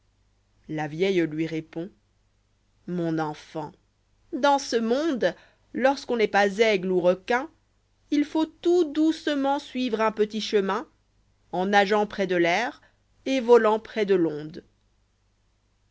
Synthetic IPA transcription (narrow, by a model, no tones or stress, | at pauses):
lavjɛjlɥiʁepɔ̃ | mɔ̃nɑ̃fɑ̃ | d̪ɑ̃səmɔ̃d̪ | lɔʁskɔ̃nɛpazɛɡluʁɔkɛ̃ | ilfot̪ud̪usəmɑ̃sɥivʁɛ̃pət̪iʃəmɛ̃ | ɑ̃naʒɑ̃pχɛd̪əlɛʁ | evɔlɑ̃pχɛd̪əlɔ̃d̪